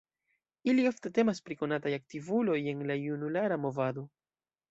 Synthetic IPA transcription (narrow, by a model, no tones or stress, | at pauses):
ilio̞fte̞te̞maspɾiko̞natajak̚tivulo̞je̞nlajunulaɾamo̞vado̞